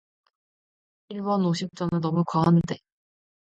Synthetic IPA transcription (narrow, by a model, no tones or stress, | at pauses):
iɭbʌnoɕʰik̚t͡ɕ͈ʌnɯnnʌmukwaɦannde̞